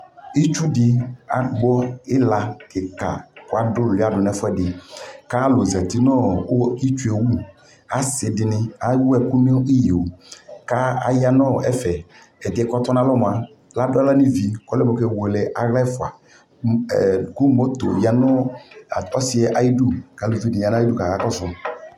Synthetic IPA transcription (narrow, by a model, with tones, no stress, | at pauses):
i˦t͡ʃu˦dɪ˨a˦ɡ͡bɔ˦ɪ˦la˨kɪ˨ka̰˨kʊ˦a˦dʊ˦˨lɪ˦a˨dʊ˨nɛ˨fʊ˦ɛ˦dɪ˨ka˦lʊ˨zɛ˨t̪i˨nɔ̃˦˨o˦i˦t͡ʃu˦e˨wu˦ | a˨sɪ˨dɪ˨nɪ̃˦a˨˦wu˦ɛ˨ku˦ni˦i˦ji˨o˨ka˦a̰˦ja˦nɔ˦˨ɛ˦fɛ˨ | ɛ˨dɪ˨ɛ˨kɔ˦t̪ɔ˦nã˦lɔ˦m˨a˨ | la˦dʊ˦ɛ˦la˦ni˦vi˨kɔ˦lɛ˦mo˨˦kɛ˨we˨lɛ˨ʔa˨ɣlɛ˦fʊ˨a̰˨ | ku˦mo˦t̪o̰˨ja˨nɔ˦˨ | ɔ˦sɪ˦ɛ˦ʔa˨ji˦du˦ka˨˦lo˨vi˦dɪ˨a˨n˦i˦du˦˨ka˨ka˨˦kɔ˦sʊ˨